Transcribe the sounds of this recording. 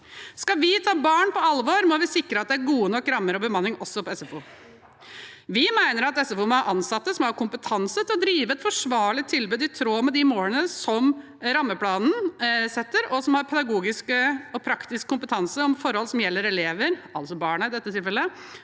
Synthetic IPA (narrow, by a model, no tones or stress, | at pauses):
skɑʋɪt̪ʰɑːbɑːɳpɔɑlʋoɾmɔʋɪsɪkɾəɑt̪̚d̪ɛæɾɡuːənɔkːɾɑmːəɾɔbəmɑnːɪŋɔsːɔpɔɛsɛfuː | ʋɪmæɪnəɾɑt̪ɛsɛfuːmɔæʔɑnsɑt̪ːəsɔmɔhɑɾkʊmpət̪ʰɑnsət̪ʰɪlɔd̪ɾiːʋəɛt̪fɔʂʋɑːɭɪt̪ʰːɪlbʉːd̪ɪt̪ʰɾoːmɛd̪ɪmoːlənəsɔm | ɾɑmːəpʰlɑːnn̩sɛt̪ːəɾɔsɔmhɑɾpʰɛd̪ɑɡuːɡɪskəɔpʰɾɑkt̪ɪskkːʊmpət̪ʰɑnsəɔmfɔɾhɔlsɔmjɛlːəɾɛleːʋəɾɑlsɔbɑːɳɑɪd̪ɛt̪ːət̪ʰɪlfɛlːə